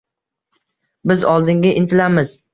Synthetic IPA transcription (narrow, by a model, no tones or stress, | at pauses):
bɪzɒlˠd̪ɪŋɡʲaʔɪnt̪ʰɪlamɪz̥